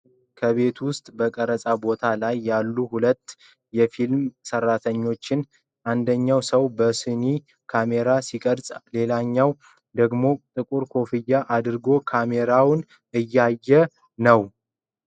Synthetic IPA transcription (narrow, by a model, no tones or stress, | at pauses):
kʰəβe̞t̪ʰwʊst̪ʼbəkʼəɾəsʼabo̞t̪ʰalajːalːuhulət̪ː | jɛfilmsərːat̪ʰəɲːo̞t͡ʃːɪn | ʔand̪əɲːawsəwbəsɨni | kʰame̞ɾasikʼəɾsʼle̞laɲːaw | d̪əɡmo̞t̪ʼɨkʼuɾkʰo̞fɨjːaʔad̪ɨɾɡo̞kʰame̞ɾawn | ɨjːajːɛ | nəw